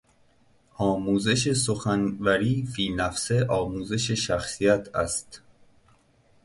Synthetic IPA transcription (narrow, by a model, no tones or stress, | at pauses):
ʔɒːmuːze̞ʃe̞soxænvæɾiːfiːlnæfse̞ʔɒːmuːze̞ʃeʃæxsijæt̪ʰæ̰st̪